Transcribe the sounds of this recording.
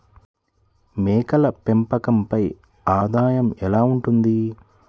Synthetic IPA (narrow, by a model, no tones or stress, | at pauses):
meːkɐlɐpempɐkɐmpɐj | aːd̪aːjɐmɛlaːuɳʈund̪i